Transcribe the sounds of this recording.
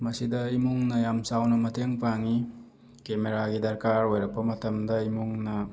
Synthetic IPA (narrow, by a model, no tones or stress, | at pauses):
mɐsidɐimuŋnɐjamsawnɐmɐtʰeŋpaŋi | kemeɾaɡidɐɾkaɾojɾɐk̚pɐmɐtɐmdɐimuŋnɐ